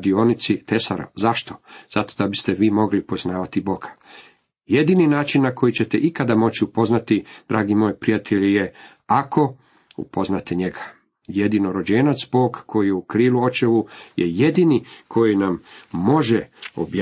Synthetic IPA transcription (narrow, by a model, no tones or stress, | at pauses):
d̪io̞ːnit̪sit̪e̞sa̰ɾa̰zaʃt̪o̞z̥at̪o̞d̪abist̪e̞ʋiːmo̞ɡlipo̞znaːʋat̪ibo̞ɡḁ | je̞d̪ininaːt͡ʃinːako̞jit͡ɕe̞t̪eʔikad̪amo̞t͡ɕiupo̞znat̪id̪ɾʔaːɡimo̞jepɾijat̪ʰeʎije̞ | ako̞ | ṵpo̞znat̪eɲe̞ɡa | je̞d̪inoɾo̞d͡ʑeːnat̪sbo̞ːɡkʰo̞jijeukɾiːluo̞t͡ʃeʋujeje̞d̪inikʰo̞jinamːo̞ʒeo̰bj